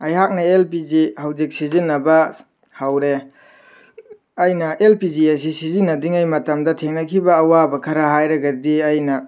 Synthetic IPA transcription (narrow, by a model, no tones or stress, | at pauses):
ɐjɦak̚nɐelp̬id͡ʒihawd͡ʒik̚sizinːɐbɐ | hawɾe | ɐjnɐʔelpid͡ʒies̬isizinːɐdiŋɐjmɐtɐmdɐtʰeŋnɐkʰibɐːwabɐkʰɐɾɐɦajɾɐɡɐdiɐjnɐ